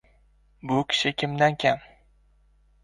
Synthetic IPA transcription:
bʊkʲʰɪ̥ʃɪkʲʰɪmd̪ankʲʰam

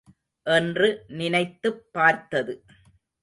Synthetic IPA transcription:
ʔɛndrɯnɪnɐɪt̪ːɯpːaːɾt̪ɐðɯ

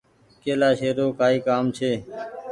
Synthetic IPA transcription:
keːlaːʃeːɾoːkaːiːkaːmt͡ʃʰeː

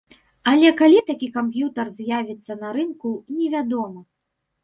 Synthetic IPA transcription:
alʲɛkalʲit̪akʲikampjut̪ɐrzʲjavʲit̪sːɐnɐɾɨnkunʲɛvʲad̪ɔmɐ

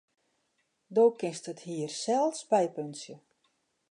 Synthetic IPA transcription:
doːkɪnstəthiːərsɛlˠsbɛjpønsjə

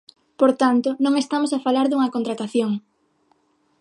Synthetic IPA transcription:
poɾt̪ant̪onõŋest̪amosafalaɾðuŋɐkont̪ɾat̪aθjoŋ

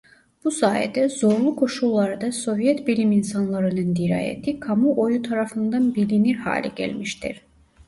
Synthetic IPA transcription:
b̥usaːɛ̰d̪ɛzo̞ɾlˠukʰo̞ʃulˠːaɾd̪aso̞vjɛt̪bilʲiminsanlˠaɾɯnɯnd̪iɾa̰ːjḛt̪ʰikʰamuʔojut̪ʰaɾafɯnd̪anbilʲiniɾha̰ːlʲɛ̰ɟæ̰lʲmiʃt̪ʰḭɾ̥

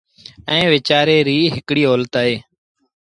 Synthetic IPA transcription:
ɛ̃ːʋet͡ʃaːɾeːɾiːɦɪkɽiːoːlt̪aːɦeː

